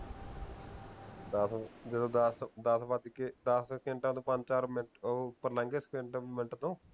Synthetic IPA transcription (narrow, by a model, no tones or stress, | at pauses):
d̪əsd͡ʒəd̪õːd̪sd̪əsbaːt̪iked̪əskẽɳʈãːt̪õːpə̃ɲd͡ʒt͡ʃaːɾmɪpəɾlə̃ŋɡeskeɳʈmɪnʈt̪õː